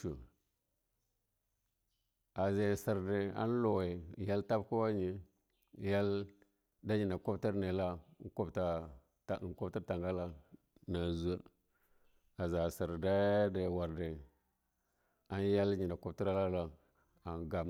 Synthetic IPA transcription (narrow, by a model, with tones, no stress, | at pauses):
u˨ | a˨ze˨si˨ɾdi˨a̰˦n˦lo˨we˨ja˦lta˦bku˦wa˦ɲi˨ | ja˦l | da˦ɲi˨nda˨ko˦bti˦ɾne˨la˦ko˦bta˨ | ta˨ko˦bti˦ɾta˨ŋɡa˦la˦ | na˨zu˦ə˦ | a˨za˨si˨ɾda˦de˨wa˨ɾdi˨ | a˦n˦ja˦lɲi˨nda˨ko˦bti˦ɾa˦la˦la˦ | a˨nɡa˨